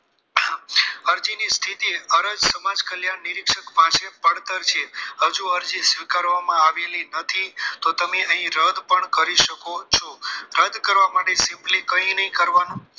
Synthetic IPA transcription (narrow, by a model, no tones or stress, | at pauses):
əɾd͡ʒinist̪ʰit̪iəɾəd͡ʒsəmad͡ʒkəljaɳniɾikʃəkpãʃepəɽt̪əɾt͡ʃʰeɦəd͡ʒuəɾd͡ʒisʋikaɾʋamãaʋelinət̪ʰit̪ot̪əmeəɦĩɾəd̪pəɳkəɾiʃəkot͡ʃʰoɾəd̪kəɾʋamaʈesɪmplikəĩnəɦĩkəɾʋanũ